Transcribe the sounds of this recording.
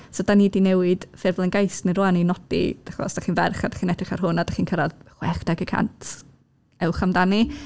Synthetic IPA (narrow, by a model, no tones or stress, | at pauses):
sɔdanidinɛwɪd̥fɪrvlˠənɡajsniɾɔːaninɔdḭd̥aχɔ̰sd̥aχiːnvɛrχadaχiːnɛtd̥rɪχarɦʊnadaχiːnkʰəɾaðχwɛχd̥aɡəkʰa̰ntʰ | ɛwχamdani